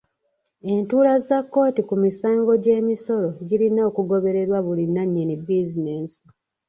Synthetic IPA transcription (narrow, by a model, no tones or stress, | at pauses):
e̞ntuːlazakːo̞ːtikumisaːŋɡo̞ɟe̞ːmiso̞ɾo̞ɟilinaokuɡo̞βe̞ɾe̞ɾwaβulinːaɲːinibizineːsi̥